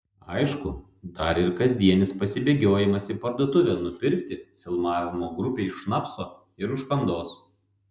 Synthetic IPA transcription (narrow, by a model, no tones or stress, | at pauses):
ɐɪʃkʊ | d̪ɐɾɪɾkɐzʲd̪ʲiɛnʲɪspɐsʲɪbʲeːɡʲoːjɪmɐsʲɪpɐɾd̪oːt̪ʊʋʲɛnʊpʲɪɾʲkt̪ʲɪfʲɪlˠmɑːʋʲɪmoːɡɾʊpʲeːɪʃːnɑːpsoː | ɪɾʊʃkɐnd̪oːs